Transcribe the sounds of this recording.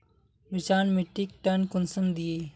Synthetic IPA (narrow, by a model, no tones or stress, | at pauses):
ʋit͡ʃaːnmiʈːik̚ʈɐnkʊnsənd̪ieː